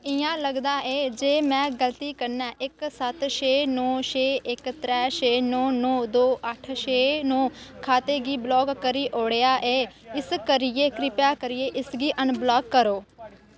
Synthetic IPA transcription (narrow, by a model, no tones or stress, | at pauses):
ɪjãːləɡd̪aːʔeːd͡ʒeːmɛ̃ːɡəlt̪iːkəɾnɛ̃ːʔɪksət̪ʃeːnõːʃeːʔɪkt̪ɾɛːʃeːnõːnõːd̪oːʔəʈʰʃeːnõːkʰaːt̪eːɡiːblɔːɡːəɾiːʔoːɽejaːʔeːɪskəɾɪjeːkɾɪpjaːkəɾɪjeːʔɪsɡiːʔənblɔːkkːəɾoː